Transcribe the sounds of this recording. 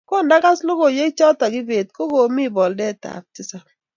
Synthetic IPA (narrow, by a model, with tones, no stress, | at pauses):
ko˦˨nda˦ka˦slo˦ko˨je˦t͡ʃɔ˦ta˨ɡɪ˦ve˨tko˦ɡo˨mi˦˨bɔ˨ldɛ˦˨ta̰˨p̚tɪ˦sa˦